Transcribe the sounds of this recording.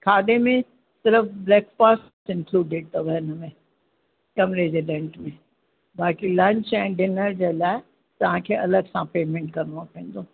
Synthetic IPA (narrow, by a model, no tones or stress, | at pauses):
kʰaːɗemẽ | sɪɾəfblɛːkfaːsʈsɪ̃nkluːɖeɖ̚t̪ʰɐʋəɦɪnəmẽ | kɐmɾed͡ʑeːɖẽːɳʈmẽ | baːkilɐ̃ɲt͡ɕɛ̃ːɖɪnəɾd͡ʑeːlaːɪ | t̪ɐʋ̤ãkʰeːʔɐləɡsãpeːmẽɳʈkɐɾɽãpẽːn̆d̪oː